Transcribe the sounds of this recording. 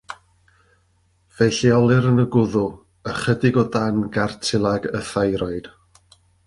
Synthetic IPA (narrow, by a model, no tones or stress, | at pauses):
v̥ɛjɬiɔlˠɨɾənəɡʊðʊ | əχədɪɡɔdanɡartʰɪlˠaɡəθajɾɔɨd̥